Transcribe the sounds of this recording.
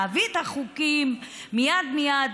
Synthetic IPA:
avit̪aχukimːijad̪mijad̪

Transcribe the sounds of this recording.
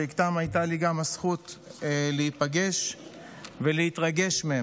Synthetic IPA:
ikt̪amajt̪aliɡamasχut̪leipaɡe̞ʃ | veleit̪ʁaɡe̞ʃmee

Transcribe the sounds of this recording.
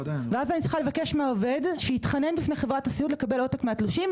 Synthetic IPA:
veazanitsʁi̥χalevake̞ʃmeaove̞dʃeit̪χane̞nbifnejχe̞vʁatasiudle̞kabe̞lo̞takmeat̪luʃim

